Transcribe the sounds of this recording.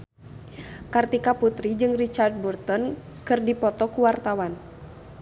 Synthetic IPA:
kart̪ikaput̪ɾid͡ʒɨŋrit͡ʃard̚burt̪ɔn | kɨrdipɔt̪ɔkuwart̪awan

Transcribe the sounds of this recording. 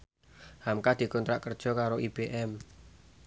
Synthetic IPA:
hamkad̪̥i̤kɔnt̪ɾaʔkərd̥ʒ̥ɔ̤kaɾoʔib̥eʔɛm

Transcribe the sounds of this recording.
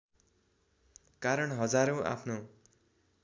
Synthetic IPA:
kaɾʌɳɦʌd͡zaɾoʔa̰pʰno

